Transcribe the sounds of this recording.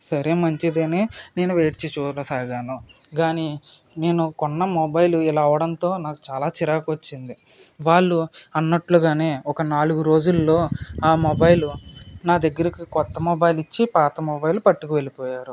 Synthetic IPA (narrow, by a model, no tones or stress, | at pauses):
sɐɾeːmɐɲt͡ʃid̪eːneːne̞ːnuʋeːʈit͡ʃit͡ʃuːlɐsaːɡaːnuɡaːni | ne̞ːnukɔnːɐmɔbɐjluilaːɐʋɐɽɐnt̪o̞ːnaːku̥t͡ʃaːlaːt͡ʃiɾaːkot͡ʃːind̪i | ʋaːɭːuɐnːɐʈluɡaːne̞ːɔkɐnaːluɡuɾo̞ːd͡ʒulːo̞ːaːmɔbɐjlunaːd̪ɐɡːɐɾikikɔt̪ːɐmɔbɐjlit͡ʃːipaːt̪ɐmɔbɐjlupɐʈːukiʋe̞lipɔːjaːɾu